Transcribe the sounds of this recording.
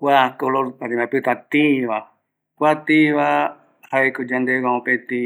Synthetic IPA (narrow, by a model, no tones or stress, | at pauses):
kʷwakoloɾaɾĩmãpɨt̪at̪iβa | kʷat̪iβa | haekod͡ʒand̪ewãõpẽt̪ĩ